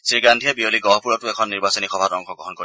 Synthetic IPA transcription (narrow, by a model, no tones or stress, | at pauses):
siɹɡandʱijebioliɡɔɦɔpuɹɔtuekʰɔnːiɹbasɔnixɔbʱatɔŋkʰɔɡɔɦɔnkoɹi